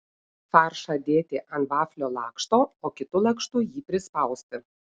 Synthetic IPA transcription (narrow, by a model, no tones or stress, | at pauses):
fɑːˑɾʃɐd̪ʲeːt̪ʲɪʔɐnt̪ʋɑːfʲlʲoːlˠɑːkʃt̪oːoːkʲɪt̪ʊlˠɐkʃt̪ʊjiːpʲɾʲɪspɐˑʊsʲt̪ʲɪ